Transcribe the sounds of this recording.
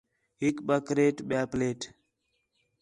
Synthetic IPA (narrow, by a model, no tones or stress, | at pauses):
hikɓakɾetɓaplet